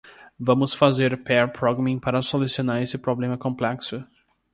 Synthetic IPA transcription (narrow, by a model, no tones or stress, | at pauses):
vɐ̃mʊsfazeɾpɛɾpɾɔɡɐmĩpaɾɐsolusionaɾesɪpɾoblẽmɐkõmplɛksʊ